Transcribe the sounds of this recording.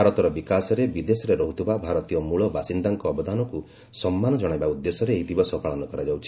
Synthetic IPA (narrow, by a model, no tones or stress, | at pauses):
aɾɔt̪ɔɾɔbikasɔɾebid̪esɔɾeɾɔɦut̪ʰibabʱaɾɔt̪ijɔmuɭɔbasind̪aŋkɔːbɔd̪ʱanɔku | sɔmːanɔd͡ʒɔɽ̃ajbaud̪ːesɔɾeːɦid̪ibɔsɔpaɭɔnɔkɔɾad͡ʒawt͡ʃʰi̥